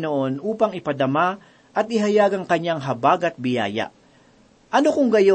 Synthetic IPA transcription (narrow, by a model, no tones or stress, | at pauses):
noʔo̞nʔuːpɐŋɪpɐd̪ɐma | ʔɐt̪̚ɪɦɐjaːɡɐŋkɐɲaŋɦɐbaːɡɐt̪̚bɪja̰ːja̰ʔ | ʔɐnokʊŋɡɐjo